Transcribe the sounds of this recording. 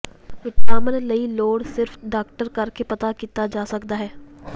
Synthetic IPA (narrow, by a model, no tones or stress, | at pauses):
ʋɪt̪naːmənlɐiloːɽsɪɾfɖaːk̚ʈəɾkɐɾkepɐt̪akiːt̪ad͡ʒaːsɐkd̪aɦɛː